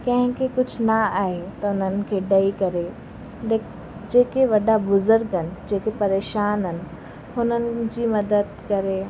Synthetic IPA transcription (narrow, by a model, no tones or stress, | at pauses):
kɐ̃ɦɪ̃kekʊd͡ʑʱʊnaaːɦet̪ɐʊn̤ənɪ̆kʰeːɖɐikɐɾe | d͡ʑeːkeʋɐɗabʊzʊɾɡənɪ̆d͡ʑeːkepɐɾeːʃaːnənɪ̆ | ɦʊnənɪ̆d͡ʑiːmɐd̪əd̪̚kɐɾe